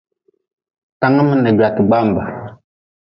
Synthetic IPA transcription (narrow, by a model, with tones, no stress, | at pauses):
ta˦ŋə˦mə˦ne˨ɡɾa˨tə˨ɡ͡ba˦m˨ba˨